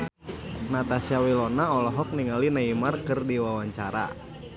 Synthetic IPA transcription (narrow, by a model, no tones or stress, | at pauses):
nat̪asiawilɔnaɔlɔɦɔk̚niŋalinaimarkɨrdiwawaɲt͡ʃaɾa̰